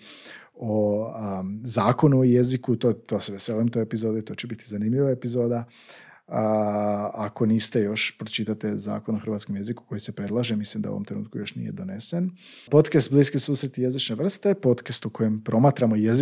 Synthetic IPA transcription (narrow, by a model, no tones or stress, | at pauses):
o | zaːkonuoje̞zikut̪ot̪oseʋeseliemt̪o̞jepizo̞ːd̪it̪o̞ːt͡ɕebit̪izanimʎiʋaepizo̞ːd̪a | ako̞niːst̪e̞jo̞ʃpɾot͡ʃit̪at̪eza̰ːko̞noxɾr̩ʋat̪skomje̞ziku̥ko̞jise̞pɾe̞d̪lˠaʒemislimd̪aṵʋomt̪ɾenṵːt̪kujo̞ʃnḭje̞d̪o̞ne̞sen | po̞t̪kast̪̚bliːskisuːsɾet̪ije̞zit͡ʃneʋr̩st̪epo̞t̪kast̪ukʰo̞jempɾo̞mat̪ɾamo̞jez